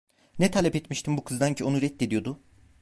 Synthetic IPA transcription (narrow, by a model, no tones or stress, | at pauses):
nɛt̪ʰalʲɛpɛt̪miʃt̪ʰimbukʰɯzd̪aɲcʰio̞nuɾɛt̪ːed̪ijo̞d̪ʊ